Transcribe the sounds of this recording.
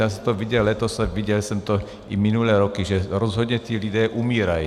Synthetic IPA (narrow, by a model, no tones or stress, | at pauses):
asat̪ɔʋiɟɛlɛt̪ɔsaʋiɟɛlsɔmt̪ɔ | iminulɛːɾɔkiʒɛɾɔzɦɔd̪ɲɛt̪ɪiːlid̪ɛːʔumiːɾaj